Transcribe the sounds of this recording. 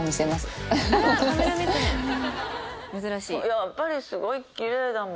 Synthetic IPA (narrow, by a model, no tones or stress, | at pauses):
misemasɨ̥ | ameamẽ | mɯ̟zɨɾaɕiːjapːaɾʲisɨɡo̞ikʲiɾe̞ːd̪am